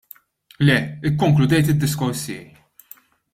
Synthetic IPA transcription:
lɛɪkːɔŋklʊd̪ɛjt̪ɪd̪ːɪskɔɾsɪɛ̰j

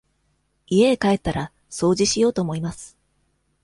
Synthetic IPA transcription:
ie̞ːkae̞t̪ːaɾa | so̞ːʑiɕijo̞ːt̪o̞ːmo̞imasɨ̥

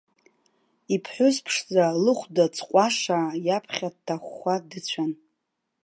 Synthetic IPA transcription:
ipʰħʷʊzpʰʂd͡zalɨχʷdat͡sʰʼqʷʼaʂajapʰχʲad̚tʰːaχʷːadɨt͡ɕʷʰan

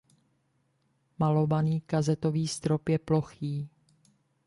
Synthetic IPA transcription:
malo̞baniːkazɛt̪oviːst̪ɾo̞pjɛplo̞xiː

